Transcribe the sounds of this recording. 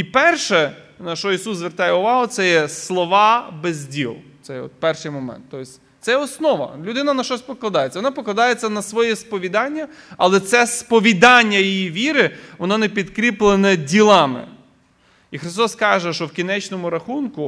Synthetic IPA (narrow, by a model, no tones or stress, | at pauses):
ipɛrʃɛ | nɐʃt͡ʃɔisuszʋert̪ɑjɛʊʋɑɦʊt̪sɛjɛslˠɔʋɑbezʲdʲilˠt̪sɛjɔ̰t̪̚pɛrʃɪjmɔmɛ̰nt̪ːɔjsʲ | t̪sɛɔsnɔʋɐ̰lʲʊd̪ɪnɐnɐʃt͡ʃɔsʲpɔklˠɐd̪ɑjet͡sʲɐʋɔnɑpɔklˠɐd̪ɑjet͡sʲːɐnɐsʋɔjɛspɔʋʲid̪ɑnʲːɐɐlˠɛt̪sɛspɔʋʲid̪ɑnʲːɐjijiʋʲiɾɪʋɔnɔnepʲid̪kɾʲiplˠenɐdʲilˠɑmɪ̰ | ixɾɪst̪ɔskɑʒɛʃɔwkʲinɛt͡ʃnɔmʊɾɐxunkʊ